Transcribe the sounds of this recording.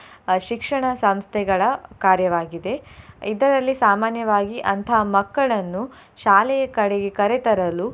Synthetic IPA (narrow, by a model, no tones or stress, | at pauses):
ʃikʂɐɳɐsɐmst̪ʰɛɡɐɭɐkaːɾjɐʋaːɡid̪e̞id̪ɐɾɐlːisaːmaːnjɐʋaːɡiʔɐnt̪ʰɐɦɐmɐkːɐɭɐnːu | ʃaːlɛjɐkɐɽeɡekɐɾet̪ɐɾɐlu